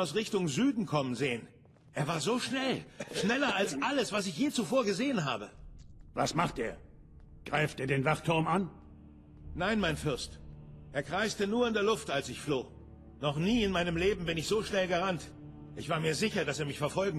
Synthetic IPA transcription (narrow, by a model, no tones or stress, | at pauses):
ʊsʁɪçtʊŋzyːdn̩kʰɔmənzeːən | ʔeːɐvaːɐzoːʃnɛlʃnɛlɐalsʔaləsv̥asɪçjeːt͡sufoːɐɡəzeːənɦa̰ːbəva̰smaχtʔeːɐ | ɡ̥ʁaɪftʔiːɐdeːnvaχtʰʊɐman | naɪnmaɪnfɪɐstʔeːɐkʁ̥aɪstənuːɐɪndeːɐlʊftalsɪçfloː | nɔχniːɪnmaɪnəmleːbm̩bɪnɪçz̥oːʃnɛlɡəʁant | ʔɪçv̥aːɐmiːɐzɪçɐdaseːɐmɪçfɛɐfɔlɡŋ̩